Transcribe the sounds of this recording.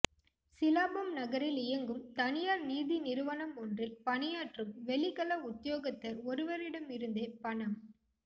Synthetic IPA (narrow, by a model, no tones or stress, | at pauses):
sɪlaːbɐmnɐɣɐɾɪlɪjɐŋɡɯmt̪ɐnɪjaːɾniːðinɪɾɯʋɐnɐmɔndrɪlpɐɳɪjaːʈrɯmʋɛɭɪɣɐlɐʊt̪ːɪjoːɣɐt̪ːɐɾɔɾɯʋɐɾɪɽɐmɪɾɯnd̪eːpɐɳɐm